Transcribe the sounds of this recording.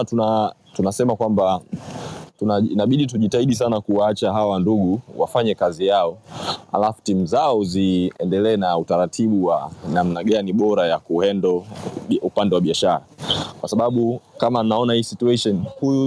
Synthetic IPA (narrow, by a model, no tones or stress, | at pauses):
tunatunasɛmakwamba | tunanaɓiɗit̬uʄitaiɗis̬anakuwaat͡ʃaɦawanduɠuwafaɲɛkazijaɔa̰lafu̥timuzaɔziɛndɛlɛːnautaɾatʰiɓuwanam̩naɠaniɓɔɾajakuhɛndɔupandɛwaɓiaʃaɾakwasaɓaɓukamam̩naɔnahiːsituɛʃɔnhuju